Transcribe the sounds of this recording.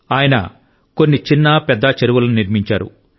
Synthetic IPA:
aːjɐnɐ̰ | ko̞nːit͡ʃinːɐpɛd̪ːɐt͡ʃeɾuʋɐlɐnuniɾmiɲt͡ʃaːɾṵ

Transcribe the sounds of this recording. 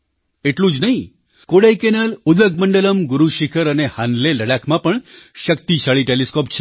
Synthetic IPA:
eʈlũd͡ʒnəɦĩ | koɽajkenəlud̪əɡ̚məɳɖələmɡʊɾuʃikʰəɾənehanleləɽakʰmãpəɳʃəkt̪it͡ʃʰaɭiʈeliskopt͡ʃʰe

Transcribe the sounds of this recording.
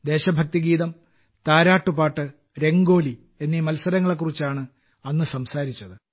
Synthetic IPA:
d̪e̞ːɕɐbʱɐk̚t̪iɡiːðɐm | t̪aːɾaːʈːupaːʈːɨ | ɾe̞ŋɡo̞ːli | e̞nːimɐlsɐɾɐŋːɐɭe̞k̬ːurit͡ɕːaːɳɨ | ɐnːɨsɐmsaːɾit͡ɕːɐðɨ

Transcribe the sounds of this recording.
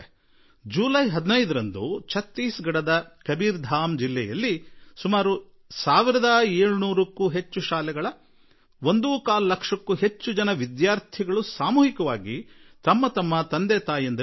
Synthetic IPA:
d͡ʒuːlɐjɦɐd̪inɐjd̪ɐɾɐnd̪ut͡ʃʰɐt̪ːiːsɡɐɽɐd̪ɐkɐbiːɾd̪ʱaːmd͡ʒilːɛjɐ̰lːisumaːɾu | saːʋiɾɐd̪ɐeːɭunuːɾɐkːuːɦe̞t͡ʃːuʃaːlɛɡɐɭɐ | ʋo̞nd̪ukaːlɐlɐkʂɐkːuɦe̞t͡ʃːud͡ʒɐnɐʋid̪jaːɾt̪ʰiɡɐɭusaːmuːɦikɐʋaːɡit̪ɐmːɐt̪ɐmːɐt̪ɐnd̪ɛːt̪aːjend̪ɐ

